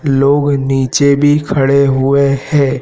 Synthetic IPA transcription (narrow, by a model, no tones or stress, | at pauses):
loːɡniːt͡ʃebʱikʰɐɽeɦʊehɛ̃ː